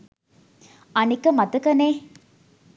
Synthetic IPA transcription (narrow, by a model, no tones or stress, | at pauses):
ɐnikːɐmɐt̪ɐkɐneː